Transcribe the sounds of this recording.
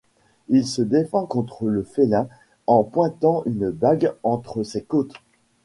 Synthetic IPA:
ilsəd̪efɑ̃kɔ̃t̪χələfelɛ̃ | ɑ̃pwɛ̃t̪ɑ̃ʔynbaɡɑ̃t̪χəsekot̪

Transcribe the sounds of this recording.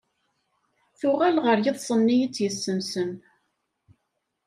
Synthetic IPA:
θʊʁælʁəɾjɪðˤsˤənːijit͡sːjəsːəmsəm

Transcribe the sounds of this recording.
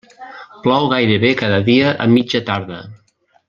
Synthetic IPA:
plɔwɣajɾəβekaðəðiəʔə̰mid͡ʒət̪aɾðə

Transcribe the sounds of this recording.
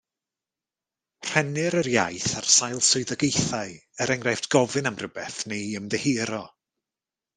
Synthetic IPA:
r̥ɛnɨɾərjajθarsajlˠsʊɨðəɡejθaɨəɾɛŋrajfdɡ̥ɔvɨnamrəbɛθnejəmðɛhiːɾɔ

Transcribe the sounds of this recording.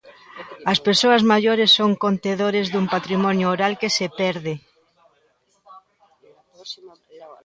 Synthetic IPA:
ɐspeɾsoɐzmaʎoɾesːoŋkont̪eðoɾezðumpat̪ɾimɔnjoːɾalkesepɛɾðe

